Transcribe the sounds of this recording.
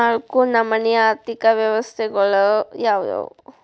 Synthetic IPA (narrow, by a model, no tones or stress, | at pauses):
aːɭkunɐmːɐnɛjaːɾt̪ikɐʋjɐʋɐst̪ʰɛɡɐɭujaːʋd̪o̰ː